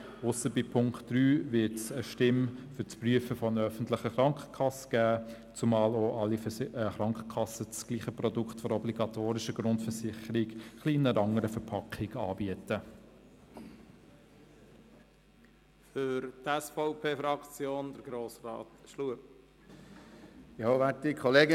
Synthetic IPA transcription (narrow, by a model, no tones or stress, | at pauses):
ʊsəbipʰʊŋktd̥ɾyːvɪtsəʃtɪmfʏt͡spryəfəfɔənəœfən̩tlɪχəχɾɑŋkχə̥kʰɑsə̥ɡ̥æː | t͡sumɑːloːʔɑlːiχɾɑŋkə̥kʰɑsət͡sɡ̥liːχəprɔdʊkχtfɔɾɔbliɡɑtʰoːɾɪʃəɡɾʊndfəɹsɪχəɾɪɡχliːnəɾɑŋəɾəfɛɾpʰɑkχɪɡɑːbiətə | fʏɾt̪ɛsfɔʊpʰeːfɾɑkt͡sjoːnd̪əɾɡɾoːsɾɑ̰ːt̪ʃluəp | joʋætdikʰɔleːɡə